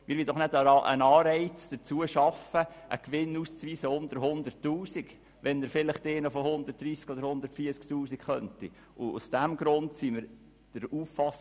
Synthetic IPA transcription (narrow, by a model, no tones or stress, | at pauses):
mɪɾʋid̥ɔχnɛdɑʔə̰nɑːɾɛɪt͡sd̥ət͡suəʃɑfəʔə̰kʋɪnːuːst͡sʋiːsəʊnd̪əɾɦʊnd̪əɾtːuːsik | ʋɛnːəɾfɪlɪχteːnəfɔhʊnd̪ərt̚d̥̪ɾiːskɔdəɾhʊnd̪əɾtfiəsktuːsikχœnti | ʔʊṵsd̥æmɡɾʊntsiməɾ | d̥əɾuːfːɑs